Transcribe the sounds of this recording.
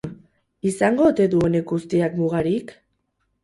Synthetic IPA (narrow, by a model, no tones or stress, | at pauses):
isaŋɡo̞t̪e̞ðuo̞ne̞ɡɡust̪iakmuɣ̞aɾik